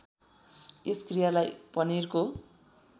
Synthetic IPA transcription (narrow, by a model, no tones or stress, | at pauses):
eskrijalajpʌnirko